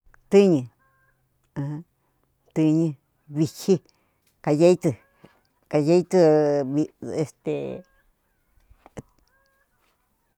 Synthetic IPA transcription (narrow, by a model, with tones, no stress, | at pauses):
t̪ɨ˦ɲĩ˧ | h | t̪ɨ˧ɲĩ˧ | βi˧hi˦ | ka˧je˧˦i˦˧t͡s̪ɨ˧ | ka˧je˧˦i˦t͡s̪ɨ˧βi˧e˧st̪ḛ˨